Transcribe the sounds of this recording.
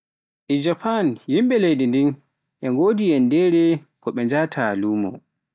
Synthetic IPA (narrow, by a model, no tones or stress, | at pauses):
ʔɛd͡ʒapanjimɓɛlejdindin | ʔɛŋɡoːdijɛndɛɾɛ | kɔɓɛɲd͡ʒatʰaluːmɔ̰